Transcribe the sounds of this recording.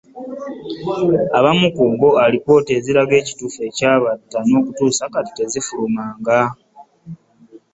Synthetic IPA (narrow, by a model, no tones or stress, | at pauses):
aβamukuːɡo̞alipo̞ːte̞ziɾaɡe̞ːci̥tuːfe̞caːβatːano̞ːkutuːsakati̥te̞zifulumaːŋɡa